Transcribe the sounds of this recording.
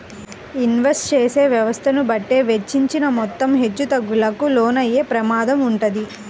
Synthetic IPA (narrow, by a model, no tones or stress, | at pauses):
inʋesʈt͡ʃeːse̞ːʋjɐʋɐst̪ʰɐnubɐʈːe̞ːʋet͡ʃːiɲt͡ʃinɐmɔt̪ːɐmɦet͡ʃːut̪ɐɡːulɐkuloːnɐjːe̞ːpɾɐmaːd̪ɐmuɳʈɐd̪i